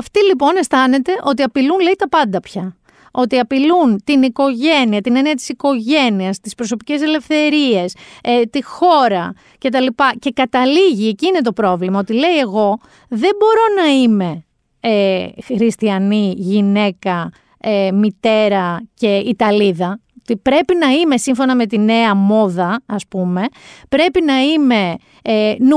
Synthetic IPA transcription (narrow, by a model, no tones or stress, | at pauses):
ɐft̪ilipo̞ne̞st̪ɐne̞t̪e̞ʔo̞t̪iɐpilunle̞it̪ɐpɐnd̪ɐpçɐ | o̞t̪iɐpilunt̪iniko̞ʝe̞niɐt̪ineniɐt̪i̥siko̞ʝe̞niɐst̪ispɾo̞s̬o̞pice̞se̞le̞fθe̞ɾie̞set̪ixo̞ɾɐ | ce̞t̪ɐlipɐce̞kɐt̪ɐliʝieciine̞t̪o̞pɾo̞vlimɐo̞t̪ile̞ie̞ɣo̞ | ðe̞bo̞ɾo̞nɐime̞ | exxɾist̪iɐniʝine̞kɐ | emit̪e̞ɾɐce̞it̪ɐliðɐ | t̪ipɾe̞pinɐime̞siɱfo̞nɐme̞t̪ine̞ɐmo̞ðɐɐspume̞pɾe̞pinɐime̞ | n